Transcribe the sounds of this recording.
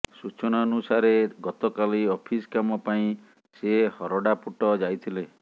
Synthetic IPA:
sut͡ʃɔɽ̃aːnusaɾeɡɔt̪ɔkaliɔpʰiskamɔpaĩ | sehɔɾɔɽapuʈɔd͡ʒajt̪ʰile

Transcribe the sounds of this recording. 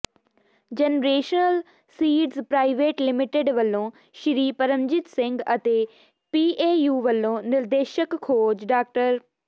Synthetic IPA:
d͡ʒenɾeːʃnəl | siːɖzpɾaːɪʋeːʈlɪmɪʈeɖʋəlːõː | ʃɪɾiːpəɾəmd͡ʒɪt̪sɪ̃ŋɡət̪eː | piːʔeːjuːʋəlːõːnɪɾd̪eːʃəkʰːoːd͡ʒɖaːk̚ʈəɾ

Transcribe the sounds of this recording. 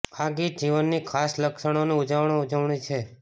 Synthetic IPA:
aɡid͡ʒiʋənːikʰasləkʃəɽ̃onũud͡ʒəʋɳ̃oud͡ʒəʋɳĩt͡ʃʰe

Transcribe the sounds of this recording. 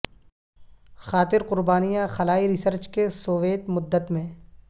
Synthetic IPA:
xaːt̪ɪɾqʊɾbaːnijãxɐlaːiɾɪsəɾt͡ʃkesoːʋeːt̪mʊd̪ːət̪mẽː

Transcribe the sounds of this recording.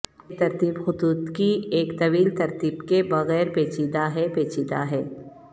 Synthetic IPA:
t̪ɐɾt̪iːbxʊd̪uːd̪kieːkt̪ɐʋiːlt̪ɐɾt̪iːbkebɐɣɛːɾpeːt͡ʃid̪aɦɛpeːt͡ʃid̪aɦɛː

